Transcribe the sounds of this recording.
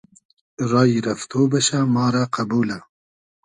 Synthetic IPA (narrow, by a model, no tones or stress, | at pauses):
ɾɑːjiɾɐft̪ʰoːbɐʃamɑːɾaqɐbuːla